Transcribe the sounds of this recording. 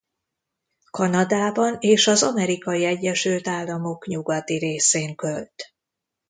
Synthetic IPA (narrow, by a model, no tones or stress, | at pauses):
kɒnɒd̪aːbɒneːʃɒzɒmɛɾikɒjiɛɟːɛʃylt̪aːlːɒmo̞kɲuɡɒt̪iɾeːseːŋkølt̪